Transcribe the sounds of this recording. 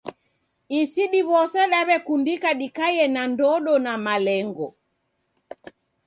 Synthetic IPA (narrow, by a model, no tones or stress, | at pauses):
isiɗiβɔsɛɗaβɛkundikaɗikajɛnandɔɗɔnamalɛŋɡɔ